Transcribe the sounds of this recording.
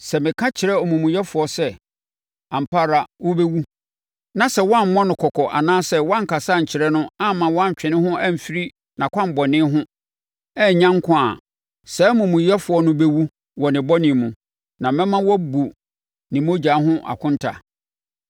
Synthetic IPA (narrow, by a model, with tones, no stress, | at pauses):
sɛ˨mɪ̃˨kʰã˦t͡ɕʰɪ˨ɾɛ˦ɔ˨mũ˨mũ˨jɛ˦fʊ˨ɔ˦sɛ˦˨ | ã˨m̩˨pʰa˦ɾa˨wʊ˦be˦wu˦ | nã˨sɛ˦wɔ˦a˦˨m̩˦mɔ̃˦nʊ̃˨kʰɔ˨kʰɔ˨ʔa̰˨nãː˦sɛ˦wɔ˦a˦ŋ̩˨kʰa˨sa˦˨ɲ̩˨t͡ɕʰɪ˨ɾɛ˦nʊ̃˦a˦mã˨wɔ˦a˦ɲ˨t͡ɕᶣɪ̃˨nɪ̃˦hʊ̃˦ʔæ˦m̩˨fi˦ɾi˦ | nã˨kʷʰã˦m̩˨bɔ˨nɪ̃˦ɦʊ̃˦ | ɛ˦˨ɲã˦ŋ˦kʰʊ̃˦a̰˨ | sɛ˨˦mũ˨mũ˨jɛ˦fʊ˨ɔ˦nʊ̃˦be˦wu˦ | wɔ˨nɪ̃˨bɔ˦nɪ̃˨mũ˨ | nã˨mɛ̃˦mã˦wɔ˦bu˨ | nĩ˨mo˦d͡ʑa˨˦ɦʊ̃˦ʔa̰˨kʰʊ̃˦n˦tʰa̰˨